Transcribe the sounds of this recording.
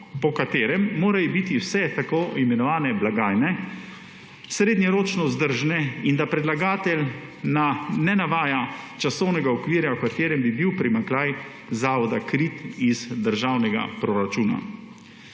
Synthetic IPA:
pɔkat̪eːɾɛmːoːɾajɔbit̪iwsɛt̪akoːimɛnɔʋaːnɛblaɡaːjnɛ | sɾeːd̪njɛɾoːt͡ʃnɔzd̪əɾʒnɛind̪apɾɛd̪laɡaːt̪ɛlnanɛnaʋaːjat͡ʃasɔwnɛɡaɔkʋiːɾjawkat̪eːɾɛmbibiwpɾimaŋklaːj | zaːʋɔd̪akɾit̪izd̪əɾʒawnɛɡa̰pɾɔɾat͡ʃuːna̰

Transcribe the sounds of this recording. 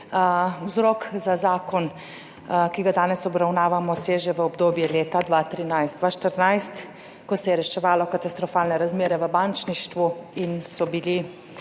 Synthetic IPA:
wzɾɔkzazaːkɔn | kiɡad̪aːnɛsɔbɾawnaːʋamɔseːʒɛʋəɔbd̪oːbjɛleːt̪ad̪ʋaːt̪ɾinajzd̪d̪ʋaʃt̪əɾnajst̪ | kɔsɛjɛɾɛʃɛʋaːlɔkat̪ast̪ɾɔfaːlnɛɾazmeːɾɛʋəbant͡ʃniʃt̪ʋuinsɔbili

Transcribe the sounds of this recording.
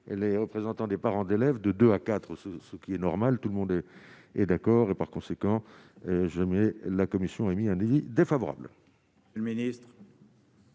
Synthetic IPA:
leʁəpχezɑ̃t̪ɑ̃d̪epaʁɑ̃d̪elɛvd̪əd̪øakat̪χəsəsəkʲiɛnɔʁmalt̪uləmɔ̃d̪ɛ | ɛd̪akɔːʁepaʁkɔ̃sekɑ̃ | ʒamɛlakɔmisjɔ̃ɛmiɛ̃navid̪efavɔʁa̰bl | lminist̪χ

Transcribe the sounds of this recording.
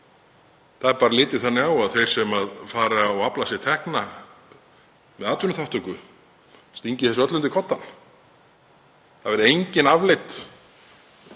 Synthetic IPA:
θaðɛɾpaːɾalɪːt̪ɪ̥θanːɪawaðθejɾ̥sɛmaðfaːɾaawaplasɪ̥t̪ʰɛhkna | mɛðaːt̪vʏnʏθaht̪ʏŋkʏ | st̪iɲcɪθɛsʏœt̪lʏnt̪ʏkʰɔt̪ːan | θavɛɾʏejɲcɪnavlɪjt̪

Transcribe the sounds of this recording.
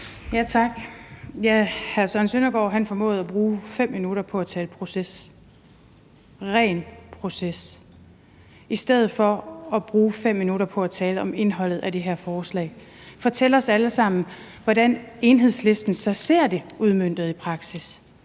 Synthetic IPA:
jæt͡sʰɑ̈ɡ̥jæhæɐsɒ̽nsønɐɡ̥ɒ̰ːɦænfɒ̽mɔ̰̽ːð̞̩ˠɒb̥ʁuːfem̰ːinuɾɐpʰɒ̽æt͡sʰɛːləpʰʁo̝ses | ʁɛ̰ːnpʰʁo̝ses | isd̥eð̞̰̩ˠfɒ̽ɒb̥ʁuːfem̰ːinuɾɐpʰɒ̽æt͡sʰɛːləɒ̽me̝nɦɒ̽l̰ð̩ˠæd̥e̝ɦeɐ̰fɒːslɛ̰ːɪ | fɒ̽t͡sʰel̰əɒ̽sæləsɑ̈m̰n̩ | ʋɒdæne̝ːnɦe̝ð̞̰ˠsle̝sd̥n̩sɒ̽se̝ɐ̰d̥e̝ʔuð̞ˠmøn̰d̥ð̞̩ˠipʰʁɑ̈ɡ̥sis

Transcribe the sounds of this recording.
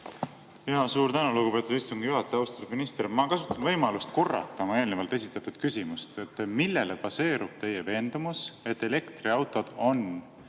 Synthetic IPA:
jɑsuːɾt̪ænuluɡupe̞t̪ːˑud̪̥ist̪uŋɡ̥juɦɑt̪ːˑeɑwst̪eɾminist̪rmɑkɑsu̥t̪ːˑɑnvɤjmɑlust̪ko̞rːɑ̰lt̪ːˑɑmɑe̞ːlnevɑlt̪e̞sit̪ːˑɑt̪ːud̪̥kysʲimust̪et̪ːˑmilːe̞lepɑse̞ːɾub̥̚t̪e̞jeve̞ːnd̪̥umuse̞t̪ːˑe̞le̞kt̪riɑwt̪ˑo̞d̪̥o̞n

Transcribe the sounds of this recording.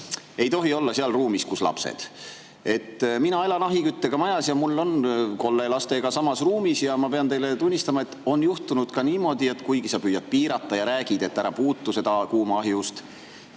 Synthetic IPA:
e̞jt̪o̞ɦio̞lːɑseɑlruːmiskuslɑ̰psḛd̪̥ | e̞t̪ːminɑe̞lɑnɑɦikyt̪ːe̞ɡ̥ɑmɑjɑsjɑmulːo̞nko̞lːelɑst̪e̞ɡ̥ɑsɑmɑsruːmisjɑmɑpe̞ɑnt̪e̞jle̞t̪unʲːist̪ɑmɑe̞t̪ːˑo̞njuht̪unud̪̥kɑniːmo̞d̪̥ie̞t̪kujɡisɑpyjɑd̪̚piːɾɑt̪ːɑjɑɾæːɡ̥id̪̥e̞t̪ːæɾɑpuːt̪ːuse̞d̪ɑkuːmɑɦjust̪

